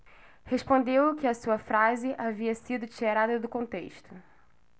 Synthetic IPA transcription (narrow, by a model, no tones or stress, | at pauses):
heʃpõnd̪ewkɪɐsuɐfɾazɪʔaviɐsid̪ʊt͡ʃiɾad̪ɐd̪ʊkõnt̪ḛʃt̪ʊ